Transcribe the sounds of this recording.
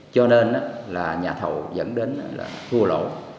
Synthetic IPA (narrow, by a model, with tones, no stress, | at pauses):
t͡ɕɔ˧ne˧nʔaː˨˧˦laː˨˩ɲaː˨˩t̪ʰə˨˩wzə̰˧˥nɗe˨˦nʔa˧˦la̰ː˨˩t̪ʰu˧əlo̰˧˩˦